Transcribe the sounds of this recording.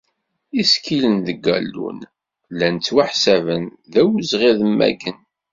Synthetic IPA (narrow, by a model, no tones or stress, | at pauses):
iskilənðəɡːælːṵn | lænt͡sːwaħsævən | ðæwzʁiðəmːæ̰ɡən